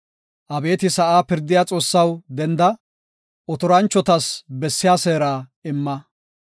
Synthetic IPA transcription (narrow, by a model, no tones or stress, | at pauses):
ʔɐbe̞ːt̪ɪsɐʔaːpɪɾd̪ɪjat͡sʼo̞ːsːɐwd̪ɛnd̪ɐ | ɔt̪ɔɾɐnt͡ʃːɔt̪ɐsbɛsːɪjaːseːɾaːɪmːɐ